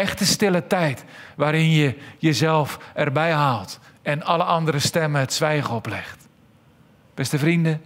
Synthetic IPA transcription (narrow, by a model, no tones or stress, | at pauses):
ɛxtəstɪlətɛjtʋaːɾɪnjəjəzɛlˠfɛrbɛjɦaːlˠtɛnɑləʔɑndəɾəstɛməətsʋɛjɣəɔplɛxt | b̥ɛstəfrində